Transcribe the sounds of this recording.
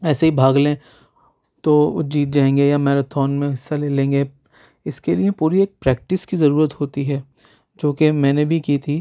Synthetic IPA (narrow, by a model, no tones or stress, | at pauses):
ɛːseɦibʱaːɡlẽ | t̪o̰d͡ʒiːt̪̚d͡ʒaːẽːŋɡejamɛːɾat̪ʰɔːnmẽɦɪsːaleːlẽːŋɡe | ɪskeliepuːɾieːk̚pɾɛːk̚ʈɪskizɐɾuːɾət̪ɦoːt̪iɦɛː | d͡ʒoːkemɛ̃ːnebʱikiːt̪ʰiː